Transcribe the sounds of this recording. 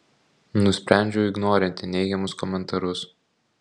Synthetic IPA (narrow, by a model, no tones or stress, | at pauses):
nʊsʲpʲɾʲæˑnʲd͡ʒʲɛʊɪɡnoːɾʲɛnʲt̪ʲɪnʲɛɪɡʲɛmʊskɔmʲɛnt̪ɐɾʊs